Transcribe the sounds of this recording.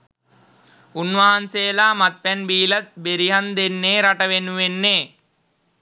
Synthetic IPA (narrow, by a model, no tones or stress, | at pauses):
unʋaɦanseːlaːmat̪̚pɛnbiːlɐt̪̚beɾiɦɐnd̪enːeːɾaʈɐʋenuʋenːeː